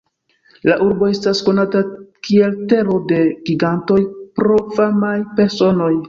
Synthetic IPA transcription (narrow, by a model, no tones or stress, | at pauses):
laʔuɾbo̞e̞stasko̞natakie̞lte̞ɾo̞de̞ɡiɡanto̞jpɾo̞famajpe̞ɾso̞no̞j